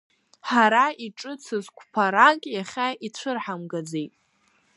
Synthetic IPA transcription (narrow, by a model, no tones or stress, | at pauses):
ħaɾaiʈ͡ʂʼɨt͡sʰɨzkʷʰpʰaɾakʼjaχʲait͡ɕʷʰɨrħamɡad͡zejtʼ